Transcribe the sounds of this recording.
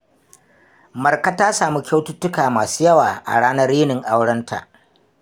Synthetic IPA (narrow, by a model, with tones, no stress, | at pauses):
mɐ˨rka˦taː˦saː˨mu˦kʲa˦wtʊ˦tːʊ˦kaː˨maː˨su̥ː˦jɐ˦waː˨ʔa̰˨ɽaː˦nɐ˦rːiː˦nɪ˨ŋʔa˦wɽɐ˦ntʰa̰˨ʔ